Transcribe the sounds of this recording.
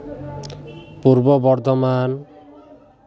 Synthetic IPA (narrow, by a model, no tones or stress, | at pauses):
puɾbɔbɔɾd̪ʱɔman